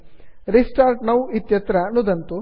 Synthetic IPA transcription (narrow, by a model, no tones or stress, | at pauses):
ɾisʈaːɾʈnɐwit̪jɐt̪ɾɐnud̪ɐnt̪u